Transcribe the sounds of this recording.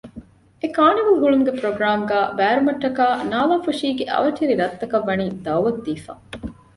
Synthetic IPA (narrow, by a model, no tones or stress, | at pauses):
ekaːniʋulɦuɭumuɡepɾoɡɾaːmɡæːbæːɾumɐʈːɐkaːnaːlaːfuʂiːɡeʔɐ̰ʋɐʈʰiɾiɾɐt̪ːɐkɐʋːɐniːd̪ɐwʋɐt̪d̪iːfa̰ː